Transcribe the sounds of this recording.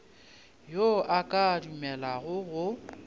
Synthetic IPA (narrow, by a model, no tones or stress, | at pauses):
joʔakʼadumɛlaɣʊɣʊ